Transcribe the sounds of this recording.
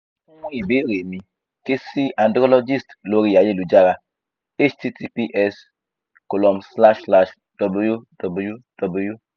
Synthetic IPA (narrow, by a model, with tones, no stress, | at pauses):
mɔ̃˦i˨be˨˦ɾe˨mĩ˧ | ke˦si˦a˨ndɾɔ˦lɔ˦d͡ʒi˦stlo˨˦ɾi˦ja˨je˦˨lu˨˦d͡ʒa˦ɾa˧ | e˦t͡ʃti˦ti˦pi˦ʔɛ˦s | ko˨lɔ˨msla˦ʃsla˦ʃ | d̥ɔ˨blo˦ju˦dɔ˨bo˦ju˦d̥ɔ˨bo˨˦ju˦